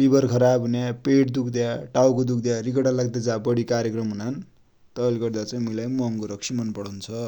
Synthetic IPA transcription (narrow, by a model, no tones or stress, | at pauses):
bibʌrkʰʌɾabɦunjapeʈd̪ukʰd̪jaʈawkod̪ukʰd̪jarikʌɽalaɡd̪ed͡zãbʌɽikaɾjekrʌmɦunan | t̪ʌːliɡʌrd̪at͡sʌĩmuilajmʌŋkoɾʌksʰimʌnpʌɽʌnt͡sʰʌ